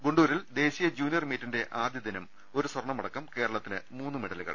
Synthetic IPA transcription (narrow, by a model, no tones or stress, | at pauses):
ɡoɳɖuːɾild̪e̞ːɕijɐd͡ʑuːnijɐrmiːtːinde̞ʔaːd̪jɐðinum | o̞ɾuswɐrɳɐmɐɽɐkːɐmke̞ːɾɐɭɐt̪ːinɨmuːnːɨmeɽɐluɣɐ̰ɭ